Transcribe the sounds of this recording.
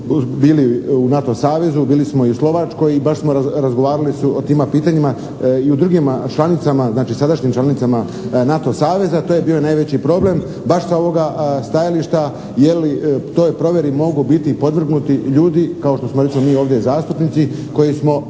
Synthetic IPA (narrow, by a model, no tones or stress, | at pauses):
biːliunat̪o̞saːʋe̞zubiːlismo̞iuslo̞ʋat͡ʃko̞jibaʃsmo̞ɾaɾazɡo̞ʋaːɾalisuot̪iːmapiːt̪aɲima | iud̪ɾuɡimat͡ʃlˠanit̪samaznaːt͡ʃisad̪aʃɲimt͡ʃlanit̪sama | nat̪o̞saːʋe̞zat̪ojebiːonajʋe̞t͡ɕipɾo̞ble̞m | baʃsao̞ʋo̞ɡast̪ajaliʃt̪a | jelit̪o̞ːjpɾo̞ʋje̞ɾimo̞ɡubit̪ipo̞d̪ʋr̩ɡnut̪iʎuːd̪ikao̞ʃt̪o̞smoɾesimomiːo̞ːʋd̪jezaːst̪upnit̪siko̞jismo̞